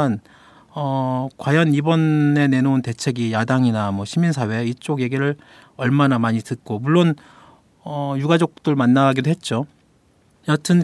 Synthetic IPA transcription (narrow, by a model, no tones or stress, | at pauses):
n | ʌkwajʌnibʌne̞ne̞nounte̞t͡ɕʰe̞ɡijadaŋinamwʌɕʰiminsʰawe̞it͡ɕ͈oɡje̞ɡiɾɯɭ | ʌɭmanamaɲitɯt̚k͈omuɭːon | ʌjuɡad͡ʑok̚t͈ɯɭmanːaɡidoɦe̞t̚t͡ɕ͈o | jatʰɯn